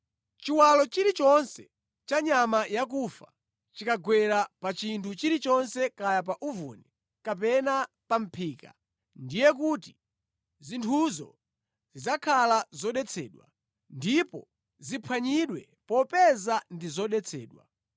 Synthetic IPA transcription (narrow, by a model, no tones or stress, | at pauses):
t͡ʃiwalɔt͡ʃiɾit͡ʃɔnsɛ | t͡ʃaɲamajak̬ufa̰ | t͡ʃikaɡwɛɾapat͡ʃintʰut͡ʃiɾit͡ʃɔnsɛkajap̬aʔuvṵnɛ | kap̬ɛna | pam̩pʰiːka̰ | ndijɛk̬uti | zintʰuzɔ̰ | zizakʰalazɔɗɛt͡sʰɛ̰ːɗwa̰ | ndipɔ̰ | zipʰwaɲiɗwɛ | pɔpɛzandizɔɗɛt͡sʰɛ̰ːɗwa̰